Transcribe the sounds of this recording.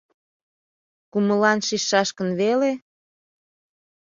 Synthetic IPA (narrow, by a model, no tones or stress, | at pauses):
kuməlɑnʃiʃːɑʃkənβele